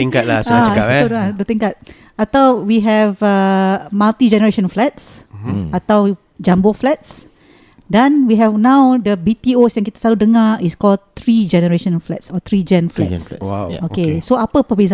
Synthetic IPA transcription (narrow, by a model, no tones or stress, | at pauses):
t̪ĩŋkat̚lasat͡ʃəkapɛodadət̪ĩŋkat̚ | at̪awwiɦɛvəmalt̪id͡ʒɛnəɹeʃə̃nflɛt̚sat̪aw | d͡ʒãmboflɛt̚s | dɛ̃nwiɦɛvnãwdəbit̪iosɛ̃nkit̪ə̥saludəŋaiskɔlt̪ɹid͡ʒɛnəɹeʃə̃nflɛ̰tsɔt̪ɹid͡ʒɛ̃nflɛ̰swaokesoapəpəbez